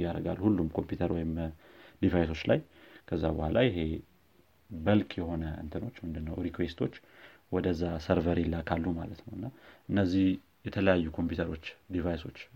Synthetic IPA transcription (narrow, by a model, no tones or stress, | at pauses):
jaɾəɡalːhulːumkʰo̞mpjut̪ʰəɾwɔjɪm | d̪ivajso̞t͡ʃːla̰j | kʰəzːabəhʷalajɪɦe̞ | bəlkʰjɛho̞nəʔɨ̰nt̪ʰɨno̞t͡ʃːmɨnd̪ɨnːəwɾikwe̞st̪ʰo̞t͡ʃː | wɔd̪əzːasəɾvəɾilːakʰalːumalət̪nəwɨnːaʔɨnːəzːih | jɛt̪ʰələjajːukʰo̞mpjut̪ʰəɾo̞t͡ʃːd̪ivajso̞t͡ʃː